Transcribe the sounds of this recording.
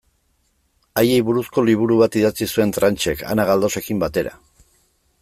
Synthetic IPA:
aje̞jβuɾusko̞liβ̞uɾuβat̪iðat͡sisue̞nt̪ɾant͡ʃe̞ka̰naɣ̞ald̪o̞se̞kimbat̪e̞ɾa̰

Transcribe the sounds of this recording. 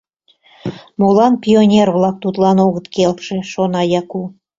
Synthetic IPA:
molɑnpʲionʲerβlɑk̚t̪ut̪lɑnoɣət̪kelkʃeʃonɑjɑku

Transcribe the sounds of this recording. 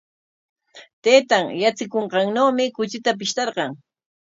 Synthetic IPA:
t̪eːt̪aŋjat͡sɪkoɴɢɑŋnoːmɪkʊt͡ʃɪt̪ap̬ɪʃt̪ɑɾɢɑŋ

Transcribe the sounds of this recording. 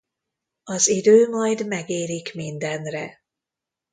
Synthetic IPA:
ɒzid̪øːmɒjd̪mɛɡeːlikmind̪ɛnrɛ

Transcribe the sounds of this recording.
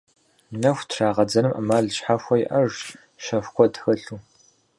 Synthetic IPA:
nɐxʷtʰraːʁɐd͡zɐnɨmʔɐ̰maːɮɕħaxʷɔjɪʔɐʒ | ʃɐfkʷɔdxɐɬuː

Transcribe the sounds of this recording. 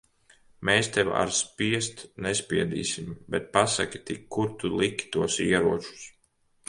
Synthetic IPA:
meːst̪ɛwa̰ɾspiɛst̪nɛspʲiɛd̪ḭːsimbɛt̪̚pasa̰kʲi̥t̪ikːuɾt̪ulˠikʲt̪uɔsiɛɾuɔt͡ʃu̥s

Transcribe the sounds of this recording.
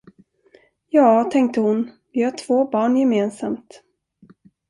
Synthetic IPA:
jɑːt̪ʰɛŋk̚t̪əhʊn | vɪhaʈʰv̥oːbɑːɳjɛmeːnsamt̪

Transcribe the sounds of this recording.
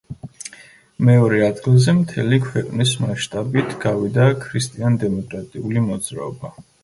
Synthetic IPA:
mɛɔɾɛad̪ɡilˠzɛmt̪ʰɛlikʰwɛqʼnismaʃt̪ʼabit̪ʰɡ̥avid̪akʰɾist̪ʼiand̪ɛmɔkʼɾat̪ʼiulimɔd̪z̥ɾa̰ɔba

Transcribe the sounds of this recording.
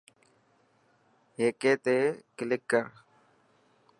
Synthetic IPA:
ɦeːkeːt̪eːkɪlɪkːə

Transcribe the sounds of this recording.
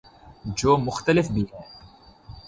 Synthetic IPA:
d͡ʒoːmːʊxt̪alɪfbiɦɛː

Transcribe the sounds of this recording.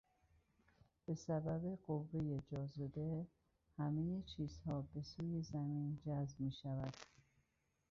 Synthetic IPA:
b̥e̞sæbæbeɡovːe̞jed͡ʒɒːzod̪e | hæmejet͡ʃʰiːz̥hɒːbe̞suːjezæmiːnd͡ʒæzb̚miːʃævæd̪̥

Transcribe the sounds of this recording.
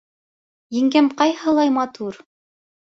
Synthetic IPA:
jɘ̆ŋɡæmqɑjhɤ̆lˠɑjmɑt̪uɾ

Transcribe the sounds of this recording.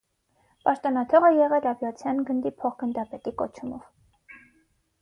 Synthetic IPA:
pɑʃt̪ɔnɑt̪ʰɔʁəjɛʁɛlɑvjɑt͡sʰjɑnɡənd̪ipʰɔχɡənd̪ɑpɛt̪ikɔ̰t͡ʃʰumɔ̰v̥

